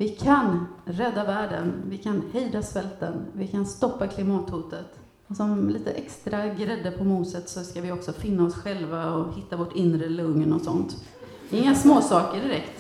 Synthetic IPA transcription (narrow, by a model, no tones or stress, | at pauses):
vɪkʰanɾɛd̪ːavæːɖə̰nvɪkʰanhɛjd̪asvɛlt̪ənvɪkʰanst̪ɔpːakʰlɪmɑːt̪huːt̪ət̪ | sɔmliːt̪əʔɛkst̪ɾaɡɾɛd̪ːəpʰɔmuːsət̪sɔskavɪɔksɔfɪnːaɔsɧɛlvaɔhɪt̪ːavɔʈɪnːɾəlɵŋnɔsɔnt̪ | ɪŋːasmoːsɑːkəɖɪɾɛkt̪